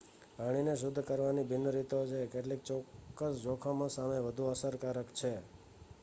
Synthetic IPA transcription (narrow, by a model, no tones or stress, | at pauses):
paɽ̃ineʃ̬ʊd̪ʱːkəɾʋanibinəɾit̪ot͡ʃʰekeʈlek̚t͡ʃɔkːəsd͡ʒokʰamãsameʋəd̪ʱuəsəɾkaɾəkt͡ʃʰe